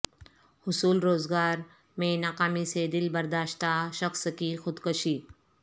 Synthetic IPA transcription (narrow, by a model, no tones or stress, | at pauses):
hʊsuːlɾoːzɡaːɾ | mẽnaqaːmiːsed̪ɪlbɐɾd̪aːʃt̪aʃɐxsəkixʊd̪kəʃiː